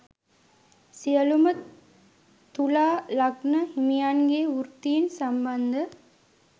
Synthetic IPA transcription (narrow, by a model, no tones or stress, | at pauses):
sijɐlumɐ | t̪ːulaːlɐɡnɐhimijaːnɡeːʊɾt̪ijɪnsɐmbɐnd̪ɐ